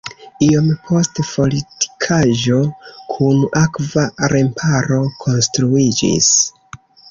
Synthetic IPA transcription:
io̞mpʰo̞stpo̞liti̥kʰaʒo̞kʰunakvaɾʔe̞mpʰaɾo̞kʰo̞nstɾuid͡ʒḭs

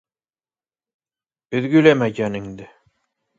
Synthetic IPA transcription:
ɵ̆ðɡɵ̆læmæjænɘ̆ŋd̪ɘ

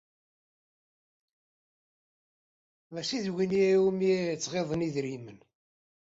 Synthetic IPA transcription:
mæsiðwiniiumit͡sːʁeðˤəniðɾimən

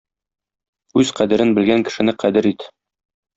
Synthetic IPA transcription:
ʉzqæd̪ɘ̆ɾɘnbɘ̆lɡæŋkɘ̆ʃɘ̆nɘqæd̪ɘɾit̪

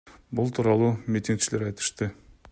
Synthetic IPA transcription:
bʊlˠt̪ʰuɾɑlˠumʲit̪ʲiŋɡkt͡ʃɪlʲeɾɑjt̪ə̥ʃt̪ə

